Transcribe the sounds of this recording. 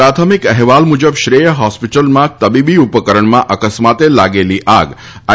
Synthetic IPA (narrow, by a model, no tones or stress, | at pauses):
ɾat̪ʰəmikɛɦʋalmud͡ʒəbʃɾejəɦɔspiʈəlmãt̪əbibiupəkəɾəɳmãʔəkəsmat̪elaɡeliʔaɡ | a